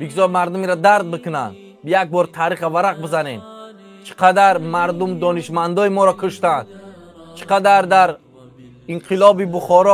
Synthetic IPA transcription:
biɡzɔɾmaɾd̪umiɾad̪aɾd̪̚bɨkʰɨna̰n | jak̚bɔɾt̪ʰaɾiχavaɾaq̚bɪzanen | t͡ʃʰi̥qʰad̪aɾmaɾd̪umd̪ɔniʃmand̪ɔimɔɾakʰuʃt̪and̪ | t͡ʃʰi̥qad̪aɾd̪aɾ | iɴqʰilɔbibuχɔɾɔ

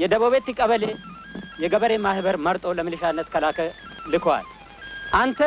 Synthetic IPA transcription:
jɛd̪əβoβet̪ːɪkʼːəβəle | jɛɡəβəɾe̞mahbəɾmɐɾt̪ʼo̞ləmɨlɨʃanːət̪kɐlaːkə | lɨkoa̰l | ʔant̪ʰə

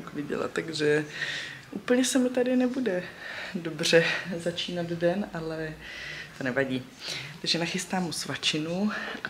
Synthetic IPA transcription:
kvɪɟɛ̰la̰t̪t̪ːaɡʒɛ | ʔuːpl̩ɲɛsɛmɪt̪adɪnɛbudɛdo̞br̝ɛzat͡ʃiːnad̪dɛnʔalɛt̪o̞nɛvaɟiː | t̪aɡʒɛnaxɪst̪aːmːusvat͡ʃɪnu

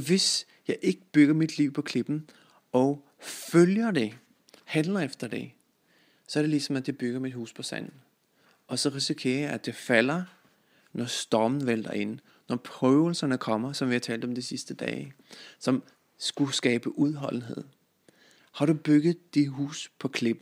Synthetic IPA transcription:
ʋe̝s | jɑ̈ɪʔe̝ɡ̥əb̥yɡ̥ɐmid̥liʊ̰pʰɒ̽kʰle̝b̥n̩ | ɒ | føljɐd̥e̝ | hænlɐefd̥ɐd̥e̝ | sɒæɐɾ̥e̝lisɒ̽mæ̥d̥eb̥yɡ̥ɐmid̥huːspʰɒ̽sæ̰n̰n̩ | ʔɒ̽sɒ̽ʁisikʰe̝̰ːɐjɑ̈æ̥e̝fæl̰ɐ | nɒsd̥ɒmn̩ʋel̰d̥ɐe̝n̩ | nɒpʰʁœʊl̩sɐnəkʰɒ̽m̰ɐsɒ̽mʋihɑt͡sʰɛ̰ːld̥ɒ̽md̥isisd̥əd̥ɛ̰ː | sɒ̽m | sɡ̥usɡ̥ɛːb̥əʔuð̞ˠɦɒ̽l̰n̩ɦe̝ð̰ˠ | hɑ̈ɾub̥yɡ̥ð̩ˠd̥iɦṵːspʰɒ̽kʰle̝b̥n̩

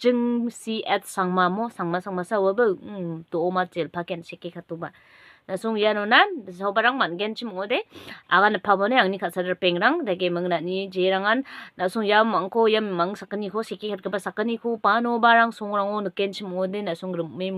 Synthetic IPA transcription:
t͡ʃɯŋsiet̚ʰsaŋmamosaŋmasaŋmasawabɯdɔːmat̚zelpʰakensekekʰatuba | nasuŋjanɔnasawbaɾaŋmanɡent͡ʃʰimŋɔdea̰ɣanapʰabɔnajaŋnikʰat̚sadaɾpeŋɾaŋdaɡemɯŋnat̚nid͡ʒeɾaŋanːasuŋjamaŋkʰɔjamːaŋsakɯnikʰɔsekekʰat̚kʰɯbasakɯnikʰopanɔbaɾaŋsɔŋɾaŋɔnɯkent͡ʃʰimɔŋɔdenasuŋɾɯme

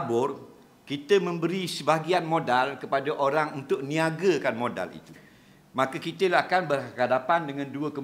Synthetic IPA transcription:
bʊr | kit̪əmə̃mbəɾisəbaɡianmõdalkəpadaʔoɾaŋunt̪ʊʔ̚nĩaɡəkanmõda̰lḭt̪u | mãkəkit̪əlaakanbərəɦadapandəŋãnduəkə

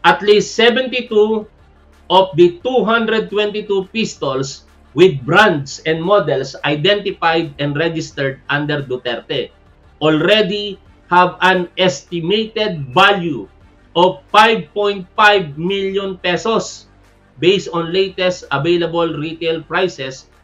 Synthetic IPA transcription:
ʔɐt̪list̪sɛvɛ̃nt̪it̪u | ʔɔfd̪ɐt̪uɦãnd̪ɾɛd̪̚t̪wɛ̃nt̪it̪upist̪ols | wɪd̪̚bɾãnd̪sɛ̃nd̪̚mɔd̪ɛlsʔajd̪ɛ̃nt̪ɪfajd̪ɛ̃nɹɛd͡ʒɪst̪ɛɹd̪̚ʔãnd̪ɛɾd̪ʊt̪ɛɾt̪ɛ | ʔɔlɾɛd̪i | havɐ̃nʔɛst̪ɪmejt̪ɛd̪̚balju | ʔɔvfajb̚pɔ̃j̃nt̪̚fajbmiljɔ̃npɛsos | bejst̪ɔ̃nlejt̪ɛst̪ʔɐvejlɐbolɹit̪elpɹajsɛs

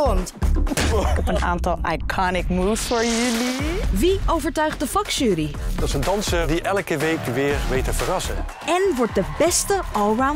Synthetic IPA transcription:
nt | əna̰ːntɑlˠajkʰɑnɪkmuːfsfɔɹjəliʋiowvəɹtœɥχt̚dəfɑkʃyːɾid̥ɑtsəndɑnsəɹdiʔɛlkəʋejkʋɪːɹʋejtəvərɑsə̰ | ɛnʋɔɹt̚dəbɛstəɔlˠɹaw

